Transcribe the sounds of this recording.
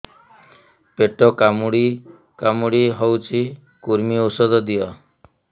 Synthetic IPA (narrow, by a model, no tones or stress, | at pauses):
peʈɔkamuɽi | kamuɽiɦɔwt͡ʃʰi | kuɾmiosɔd̪ɔd̪ijɔ